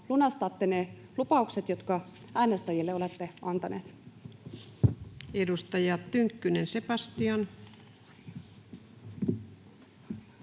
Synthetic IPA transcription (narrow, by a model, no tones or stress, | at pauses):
lunɑst̪ɑt̪ːenelupɑukset̪jot̪kɑ | æinɑst̪ɑjilːeolet̪ːeʔɑnt̪ɑneːt̪ | edust̪ɑjɑt̪ːyŋkːynensepɑst̪ion